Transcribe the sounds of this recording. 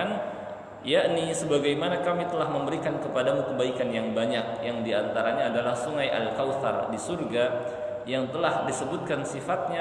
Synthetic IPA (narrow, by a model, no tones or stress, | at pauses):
an | jaʔnisəbaɡajmanakamit̪əlahməmbəɾikankəpadamukəbaikanjaŋbaɲak̚jaŋdiant̪aɾaɲaːdalahsuŋajʔa̰lkawt̪a̰rdisurɡa | jaŋt̪əlahdisəbʊt̪̚kansifat̪̚ɲa